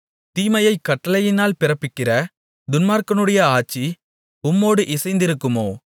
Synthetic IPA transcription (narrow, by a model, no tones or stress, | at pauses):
t̪iːmɐjɐɪkːɐʈːɐlɐjɪnaːlpɪɾɐpːɪkːɪrɐ | d̪ʊnmaːɾkɐnɯɽɐjɐaːt͡ʃːi | ʊmːoːɽɯʔɪsɐɪnd̪ɪɾɯkːɯmoː